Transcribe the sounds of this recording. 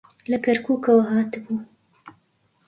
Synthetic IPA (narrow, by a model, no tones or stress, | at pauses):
lɐkɐɾkuːkɐwɐɦɑːt̪ɨbuː